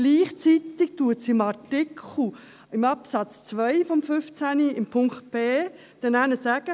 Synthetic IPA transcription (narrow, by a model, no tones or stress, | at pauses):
liːχt͡sit̪ɪk̚t̪uətsiɪmɑɾtɪkʰl̩ | ɪmɑpsɑt͡st͡sʋœjfɔmfʏft͡sæniɪmpʰʊŋkt̪̚peː | d̥ɛnænəsæɡ̥ə